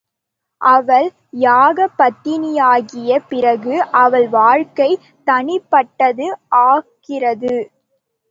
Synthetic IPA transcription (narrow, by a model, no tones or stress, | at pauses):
ʔɐʋɐl | jaːɣɐpːɐt̪ːɪnɪjaːɣɪjɐpɪrɐɣɯʔɐʋɐɭʋaːɻkɐɪ | t̪ɐɳɪpːɐʈːɐðɯʔaːkɪrɐðɯ